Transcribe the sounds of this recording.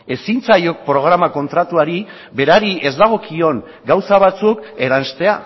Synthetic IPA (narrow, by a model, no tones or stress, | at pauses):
e̞sint͡sajo̞k̚pɾo̞ɣ̞ɾamako̞nt̪ɾat̪uaɾi | be̞ɾaɾiʔe̞zd̪aɣ̞o̞kʰio̞ŋ | ɡawsaβ̞at͡suke̞ɾanst̪e̞a